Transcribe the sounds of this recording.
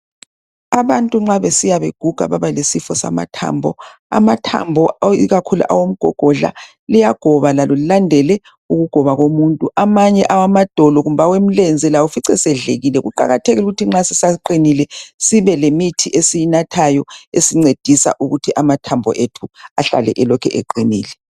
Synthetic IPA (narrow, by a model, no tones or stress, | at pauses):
aβantʼuŋ͡ǁaβesijaβeɡ̥ʱuɡ̥ʱa̰βaβalesifɔsa̰ma̰tʰa̰mbʱɔ̰ | a̰matʰa̰mbʱɔiɣakʰulṵʔa̰wom̩ɡ̥ʱɔ̰ɡ̥ʱɔɮa̰ | lijaɡ̥ʱɔβalalɔlilandʱɛlɛ | uɣuɡ̥ʱɔβaɣomuntʼuʔamaɲɛʔawamad̥ʱɔlɔɣum̩βawem̩lɛnd͡zʱɛlawufiǀɛsɛɮeɣilɛɣuǃa̰ɣatʰeɣiuɣutʰiŋ͡ǁasisaǃinilɛsiβɛlemitʰiʔesijinatʰajɔesiŋ͡ǀed̥ʱisa̰ʔuɣutʰiʔamatʰambʱɔ̰ʔetʰuaɬa̰lɛ̰ʔɛlɔkʰɛʔeǃiniːlɛ